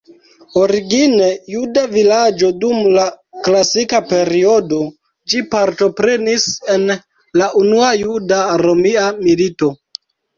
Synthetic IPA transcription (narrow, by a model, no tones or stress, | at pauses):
o̞ɾiɡine̞judavilad͡ʒo̞dumla | klasikape̞ɾio̞do̞ | d͡ʒipaɾto̞pɾe̞nise̞n | laʔunuajudaɾo̞miamilito̞